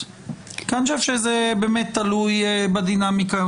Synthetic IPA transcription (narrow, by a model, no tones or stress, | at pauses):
kanʃafʃezebeːmet̪ːalujbad̪inamika